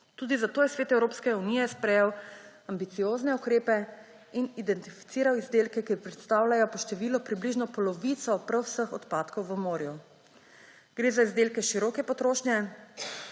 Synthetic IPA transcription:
t̪uːd̪izat̪oːjɛsʋeːt̪ɛwɾoːpskɛuniːjɛspɾɛjɛwambit̪sijoːznɛukɾeːpɛ | inid̪ɛnt̪ifi̥t̪siːɾawizd̪eːlkɛkipɾɛt̪st̪awlʲajɔpɔʃt̪ɛʋilɔpɾibliʒnɔpɔlɔʋit̪sɔpɾəwsəxɔt̪paːt̪kɔwʋəmoːɾju | ɡ̥ɾeːzaizd̪eːlkɛʃiɾɔːkɛpɔt̪ɾoːʃnjɛ

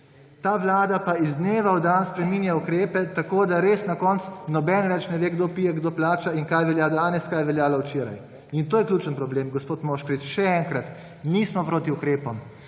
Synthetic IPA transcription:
t̪aːʋlaːd̪apaizd̪neːʋawd̪anspɾɛmiːnjaukɾeːpɛt̪akoːd̪aɾeːsnakɔnt̪snɔbɛnʋɛt͡ʃnɛʋeɡd̪oːpiːjɛɡd̪oːplaːt͡ʃaiŋkajʋɛljad̪aːnɛskajʋɛljaːlawt͡ʃeːɾa̰j | int̪oːjɛklʲuːt͡ʃənpɾɔbleːmɡɔspoːt̪moːʃkɾit͡ʃʃɛɛŋkɾat̪ | niːsmɔpɾoːt̪iukɾeːpɔm

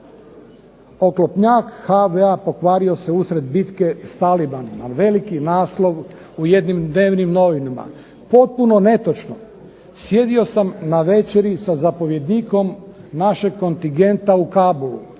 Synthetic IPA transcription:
o̞klopɲakhaʋeapo̞kʋaːɾio̞se̞usɾe̞d̪bit̪ke̞st̪alibanimaʋe̞likinaːslˠo̞ʋ | uje̞d̪nimd̪ne̞ːʋnimno̞ʋinama̰ | po̞t̪̚puno̞ne̞t̪ot͡ʃno | sje̞d̪io̞samnaʋe̞t͡ʃe̞ɾisazapo̞ʋje̞d̪niko̞mnaʃeɡ̚kːo̞nt̪iŋɡe̞nt̪aukaːbolṵ

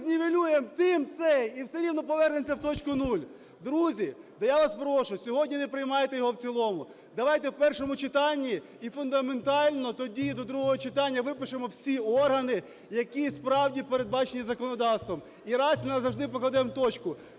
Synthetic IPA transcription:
zʲnʲiʋʲilʲujemt̪ɪmt̪sɛiwsɛɾʲiwnɔpɔʋɛrnemsʲɐwt̪ɔt͡ʃkʊnulʲ | d̪ɾuzʲid̪ɐjaʋɑspɾɔʃʊsʲɔɦɔdʲnʲinepɾɪjmɑjet̪ɛjɔɦɔwt͡sʲilˠɔmʊ | d̪ɐʋɑjt̪ɛwpɛrʃɔmʊt͡ʃɪt̪ɑnʲːiː | fʊnd̪ɐme̞nt̪ɑlʲnɔt̪ɔdʲid̪ɔd̪ɾuɦɔɦɔt͡ʃɪt̪ɑnʲːɐʋɪpɪʃemɔwsʲiɔrɦɐnɪ | jɐkispɾɑwdʲipeɾe̞d̪̚bɑt͡ʃenʲizɐkɔnɔd̪ɑwst̪ʋɔm | iɾɑsʲnɐzɐwʒd̪ɪpɔklˠɐd̪ɛmt̪ɔt͡ʃkʊ

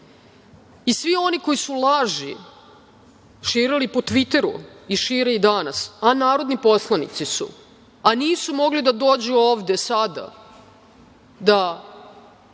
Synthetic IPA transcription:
isʋio̞niko̞jisulaʒi | ʃiːɾilipo̞t̪ʋit̪e̞ɾṵiʃiːɾeid̪anasanaːɾo̞d̪nipo̞slˠanḭt̪sisṵ | aniːsumo̞ɡlid̪ad̪o̞ːd͡ʑuoːʋd̪esad̪a̰ | d̪a

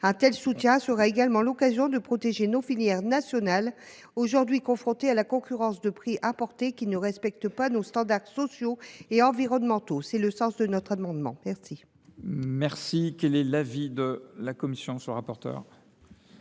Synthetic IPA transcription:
ɛ̃t̪ɛlsut̪jɛ̃səʁaeɡalmɑ̃lɔkazjɔ̃d̪əpχɔt̪eʒenofiljɛʁnasjɔnal | oʒuʁd̪ɥikɔ̃fχɔ̃t̪ealakɔ̃kʲyʁɑ̃sd̪əpχiʔɛ̃pɔʁt̪ekʲinəʁɛspɛk̚t̪əpanost̪ɑ̃d̪aʁsɔsjoeɑ̃viʁɔnmɑ̃t̪osɛləsɑ̃sd̪ənɔt̪χamɑ̃d̪mɑ̃mɛʁsi | mɛʁsikʲɛlɛlavid̪əlakɔmisjɔ̃səʁapɔʁt̪œ̰ːʁ

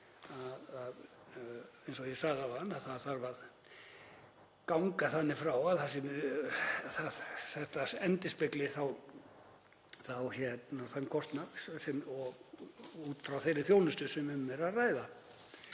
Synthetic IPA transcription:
aðað | ejnsɔjɛsaɣðawanːaðθaðθaɾvað | kawŋkaθanːɪfɾawaðθasɪm | θaðθɛht̪asɛnt̪ɪspɪklɪθaw | θawçɛt̪naθankʰɔst̪nakssɛmɔɣuːt̪fɾawθejɾɪɾθjowlnʏst̪ʏsɛmʏmːɛɾaðraːjða

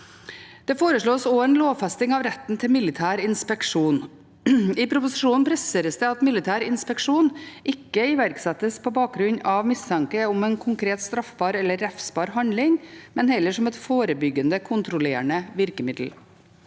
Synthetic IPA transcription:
d̪̥ɛːfoːɾəʂɭoːsoːɛnloːfɛst̪ɪŋɑʋɾɛt̪n̩t̪ʰɪmɪlɪt̪ʰæːɾɪnspɛkʂuːn | ɪpʰɾʊpʊsɪʂuːnn̩pʰɾɛseːɾəsd̪ɛɑt̪mɪlɪt̪ʰæːɾɪnspɛkʂuːnʔɪkːəɪʋæɾksɛt̪ːəspʰoːbɑːk̚ɡɾʉɲɑʋmɪst̪ʰɑŋkəʊmɛːnkʰʊŋkʰɾeːt̪st̪ɾɑfbɑːɾɛlːəɾæfsbɑːɾɦɑnd̪lɪŋmɛnhɛlːəʂɔmɛt̪foːɾəbʏɡənd̪əkʰʊnt̪ɾʊleːəɳəʋɪɾkəmɪd̪l̩

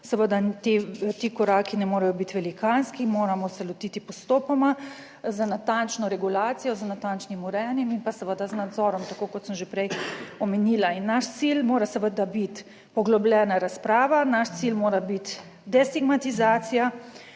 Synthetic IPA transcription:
səʋəd̪at̪et̪iːkɔɾaːkinɛmoːɾajɔbit̪ʋɛlikanskimoːɾamɔsɛlɔt̪it̪ipɔst̪oːpɔma | zanat̪ant͡ʃnɔɾɛɡulaːt̪sijɔzanat̪ant͡ʃnimuɾɛːnjɛminpasəʋəd̪aznad̪zɔːɾɔmt̪akoːkɔt̪səmʒepɾɛjɔmɛniːlainːaʃt̪silmoːɾasəʋəd̪abit̪ | pɔɡlɔblʲɛːnaɾaspɾaːʋanaʃt̪silmoːɾabit̪ | d̪ɛst̪iɡmat̪izaːt̪sija

